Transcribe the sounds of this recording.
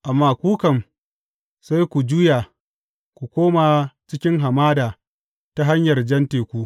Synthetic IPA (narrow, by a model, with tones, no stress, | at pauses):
ʔa˨mːaː˦kʷuː˦kɐ˨m | sa˦jkʷu˨d͡ʒuː˦jaː˨ | kʷu˨kʷoː˦maː˨t͡ʃɪ˦kʲɪ˦ŋɦa˨maː˦daː˨ | ta˦ɦa˦ɲjɐ˨rd͡ʒɐ˦nteː˨kʷu˦